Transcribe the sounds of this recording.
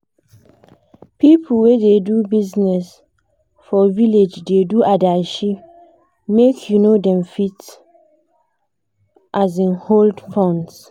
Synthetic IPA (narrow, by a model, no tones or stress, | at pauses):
pipʰulwededubiznɛs | fɔviled͡ʒdeduʔadaʃi | mekʰjunodɛ̃mfit | ʔazĩnholdfɔ̃ns